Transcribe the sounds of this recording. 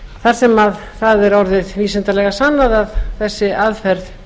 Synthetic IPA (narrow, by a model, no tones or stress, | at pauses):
θaɾ̥sɛmað | θaðɛɾɔɾðɪðviːsɛnt̪alɛɣasanːaðaðθɛsːɪaðfɛɾð